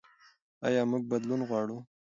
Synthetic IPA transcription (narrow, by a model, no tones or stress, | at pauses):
ɑ̰jɑmuɡ̚bad̪lunɣwɑɽu